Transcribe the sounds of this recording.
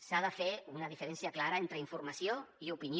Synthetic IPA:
saðəfeunəðifeɾensiəklaɾəent̪ɾəiɱfuɾmasioiupini

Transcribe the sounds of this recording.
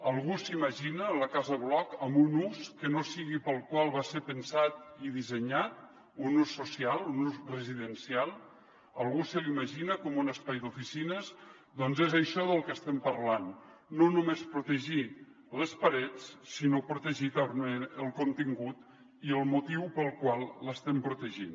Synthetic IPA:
əlˠɣusiməʒinələkazəβlɔkəmbunuskənosiɣipəlˠkwalˠβaseɾpənsat̪iðizəɲat̪̚ | unusːusialˠunuzrəziðənsialˠ | əlˠɣusəliməʒinəkɔmunəspajd̪ufisinəz | d̪ɔnzezəʃɔðəlˠkəst̪ɛmpəɾlanː | onumespɾut̪əʒi | ləspəɾɛt͡ssinopɾut̪əʒit̪əmeəlˠkunt̪iŋɡut̪ | iəlˠmut̪iwpəlˠkwalˠləst̪ɛmpɾut̪əʒin

